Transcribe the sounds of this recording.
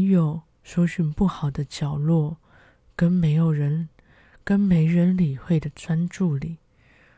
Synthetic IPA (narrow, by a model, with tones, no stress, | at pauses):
jo˨˩ʊ | ʂo˧˥ʊɕy˨˩npu˥˩xɑ˨˩ʊd̪ə˦t͡ɕjɑ˨˩ʊlwɔ˥˩ | kə˥nme˧˥ɪjo˨˩ʊɻə˧˥n | kə˥nme˧˥ɪɻə˧˥nli˨˩xwe˥˩ɪd̪ə˩t͡sʰwa˥nʈ͡ʂu˥˩li˨˩˦